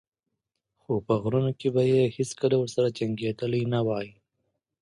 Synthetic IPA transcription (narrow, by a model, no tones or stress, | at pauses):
xopəɣɾunokebajeheskəlawəɾsaɾat͡ʃaŋɡet̪əlinawɑji